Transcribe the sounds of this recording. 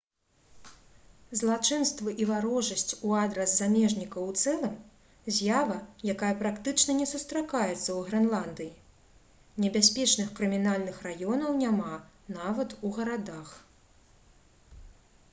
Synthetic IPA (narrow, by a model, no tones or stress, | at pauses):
zlˠat͡ʂɨnst̪vɨʔivaɾɔʐɐsʲt͡sʲuad̪ɾɐszamʲɛʐnʲikɐwt̪sɛlˠɨm | zʲjavɐjakajɐpɾakt̪ɨt͡ʂnɐnʲɛsust̪ɾakajɛt̪sːɐwɣɾɛnlˠand̪ɨji | nʲɛbʲasʲpʲɛt͡ʂnɨxkɾɨmʲinalʲnɨxrajɔnɐwnʲamanavɐt̪uɣɐɾad̪ax